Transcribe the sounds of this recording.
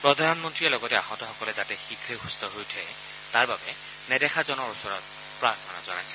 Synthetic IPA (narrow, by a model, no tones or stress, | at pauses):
pɹɔdʱanmɔntɹiɛlɔɡɔtɛaɦɔ̃tɔxɔkɔlɛzatɛxikʰɹexustɔɦojtʰɛɛ | taɹbabɛ | nɛdɛxazɔnɔɹusɔɹɔt̚ | pɹaɹtʰɔna̰zɔnajsɛ̥